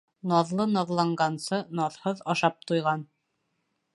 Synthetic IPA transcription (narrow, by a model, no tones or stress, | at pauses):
nɑðlˠɤnɑðlˠɑɴɢɑnsɤnɑðhɤðɑʃɑp̚t̪ujʁɑn